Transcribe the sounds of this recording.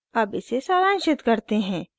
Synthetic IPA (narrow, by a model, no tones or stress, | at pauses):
ɐbɪsesaːɾãːnʃɪt̪kɐɾt̪eɦɛ̃ː